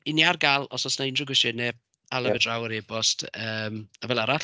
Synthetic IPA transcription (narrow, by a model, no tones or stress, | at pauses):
iniarɡalˠɔsɔsnaɪndrʊɡwɪʃɪnɛ | alˠəvədrawəɾebɔstʰəːmavɛlˠaɾat